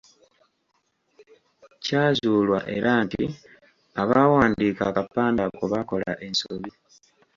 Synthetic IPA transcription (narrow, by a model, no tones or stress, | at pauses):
caːzuːlwa̰ʔe̞ɾʔantḭ | aβawaːndiːkakapːaːndakuβako̞la̰ʔe̞nsoβi